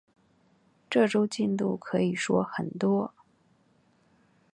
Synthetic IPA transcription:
ʈ͡ʂɤ˥˩ʈ͡ʂo˥ʊt͡ɕi˥˧nt̪ṵ˥˩kʰɤ˧˥i˨˩ʂwɔ̰˥xə˨˩nt̪wɔ˥

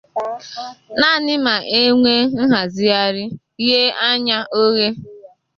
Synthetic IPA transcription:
na˦˨nɪ˦ma˨ʔe˦ŋʷe˦n̩˦ɦa˨zɪ˦a˦ɾɪ˦ | ɣe˦a˦ɲa˦ʔo˦ɣe˦

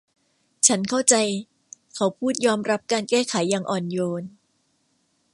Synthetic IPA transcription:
t͡ɕʰa˦˥nkʰa˥˩wt͡ɕa˧j | kʰa˩˦˥wpʰuː˥˩t̪̚jɔː˧mɾa˦˥p̚kaː˧nkɛː˥˩kʰa˩˦jːaː˧ŋʔɔː˨˩njoː˧n

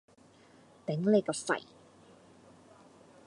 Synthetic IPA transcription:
t̪e˨˥ŋle˨˧jkɔː˧sɐ̰˨˩j

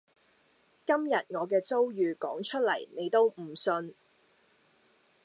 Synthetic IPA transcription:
kɐ˥mjɐ˨t̚ŋɔː˨˧kɛː˧t͡so˥wjyː˨˧kɔː˨˥ŋt͡ʃʰɵ˥t̚lɐ˨˩jne˨˧jt̪o˥wm̩˨˩sɵ˧n

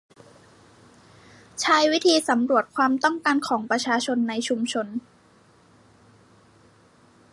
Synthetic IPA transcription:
t͡ɕʰaː˦˥jwi˦˥t̪ʰiː˧sa˩˦mɾu˨˩ət̪̚kʰwaː˧mt̪ɔ˥˩ŋkaː˧nkʰɔː˩˦ŋpɾa˧t͡ɕʰaː˧t͡ɕʰo˧nːa˧jt͡ɕʰu˧mt͡ɕʰo˧n

